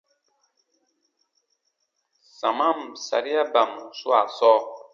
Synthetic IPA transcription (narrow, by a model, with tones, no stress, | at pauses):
sa˨ma˦msa̰˨ɾi˦a˦ba˨m˨swa̰˨sɔː˦